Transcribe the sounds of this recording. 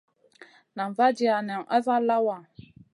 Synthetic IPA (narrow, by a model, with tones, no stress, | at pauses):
na˨m˨va˦d͡ʒi˦a˨nɛ˨ʔa̰˦va˦la˦wa˨